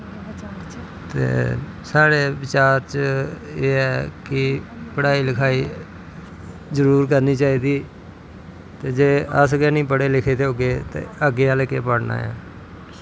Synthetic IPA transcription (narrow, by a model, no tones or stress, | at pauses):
t̪ḛː | saːɽeːʋɪt͡ʃaːɾt͡ʃ | eːɛːkɪpəɽaːiːlɪkʰaːiː | zəɾuːɾk̬əɾniːt͡ʃaːiːd̪iː | t̪eːd͡ʒeːə̰sɡɛːnĩːpəɽeːlɪkʰeːt̪eːɦoːɡeːt̪ḛːəɡeːəlːkeːpəɽna̰ːɛ̰ː